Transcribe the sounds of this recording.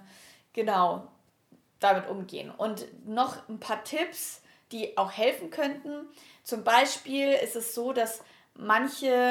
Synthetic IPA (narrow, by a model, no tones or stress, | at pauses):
ɡ̥ənaʊ | d̥amɪtʔʊmɡḛːənʔʊntnɔχn̩pʰaːɐtʰɪps | d̥iːʔaʊxhɛlfn̩kʰœntn̩ | t͡sʊmbaɪʃpiːlɪ̰stɛsz̥oːdas | mançə